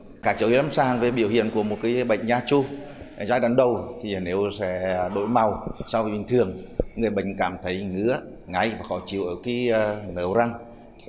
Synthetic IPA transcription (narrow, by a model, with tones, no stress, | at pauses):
kaː˧˩t͡ɕə˨˦whi˨˦la˨˦msaː˧˩ŋve˨˩ɓḭ˧˨əwhḭ˧˨ənku˧˩əmo˨˩t̚kaː˨˦jɓə̰˧˨ŋ̟zaː˧t͡ɕu˧˨˩ | zaː˧˦jɗaː˨˩˦nɗə˨˩wt̪ʰi˨˩a˨˩ne˨˦wsɛ̰˧˥ɗo̰˧˥˨jma˨˩wsa˧wvi˨˩ɓï˨˩ŋ̟t̪ʰɨ˨˩əŋŋɨ˨˩əjɓə̰˧˨jŋ̟kaː˧˩mt̪ʰə˨˦jŋɨ̰˧˥ə | ŋa˨˩˦jvaː˨˩kɔ˨˦t͡ɕḭ˧˨ə˨wʔəː˧˩ki˨˦˧nəː˨˦wza˧ŋ